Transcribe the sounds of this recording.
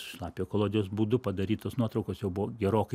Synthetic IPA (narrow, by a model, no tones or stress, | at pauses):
ʃlˠɑːpʲɪjoːkoːlˠoːd̪ʲɪjoːsbuːd̪ʊpɐd̪ɐɾʲiːt̪oːsnuɔt̪ɾɐʊkoːsjɛʊbʊʋoɡʲɛɾoːkɐɪ